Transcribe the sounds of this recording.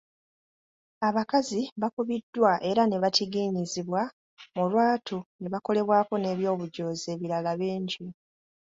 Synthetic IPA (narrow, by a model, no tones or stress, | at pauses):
aβakaziβakuβidːwaʔe̞ɾane̞βatiɡiːɲiziβwa | mulwaːtʰoneβako̞le̞βwaːko̞ne̞ːβjo̞ːβuɟo̞ːze̞ːβiɾalaβiːɲɟi